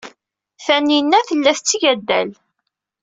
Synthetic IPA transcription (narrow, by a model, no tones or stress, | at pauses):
θænːinːæθəlːæθt͡sːiʝæd̪ːæ̰l